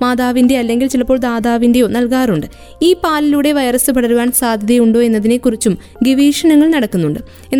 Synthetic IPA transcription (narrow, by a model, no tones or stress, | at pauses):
maːðaːʋinde̞ɐlːe̞ŋɡilt͡ɕilɐpːo̞ːɭd̪aːðaːʋinde̞joːnɐlkaːruɳɖɨ | iːpaːliluːɽe̞ʋɐjɐrɐsɨpɐɽɐɾuʋaːnsaːd̪ʱɐðijuɳɖo̞ːe̞nːɐðine̞kːurit͡ɕːum | ɡeʋiːʂɐnɐŋːɐɭnɐɽɐkːunːuɳɖɨ | enː